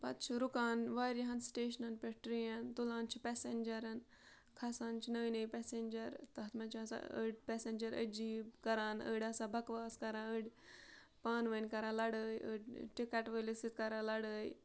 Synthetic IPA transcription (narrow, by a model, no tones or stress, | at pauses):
pɐt̪̚t͡ʃʰiɾukaːnʋaːɾjiɦɐnsʈeːʃɐnɐnpʲeʈɾijɐnt̪ulãːnt͡ʃʰipɛsenʲd͡ʒɐɾɐn | kʰɐsaːnt͡ʃʰinəːnəjpesend͡ʒɐɾt̪ɐɦɐt̪ʰmɐnt͡ʃʰɐsa̰ə̰ɖpʲɛsenʲd͡ʒɐɾə̰d͡ʒiːbkɐɾaːnə̰ːɖasabɐkʋaːskɐɾãːəɽʲ | paːnʋɐnʲkɐɾãːlɐɽəːjə̰ːɖʈikɐʈʋəlisit̪̚kɐɾalɐɽəːj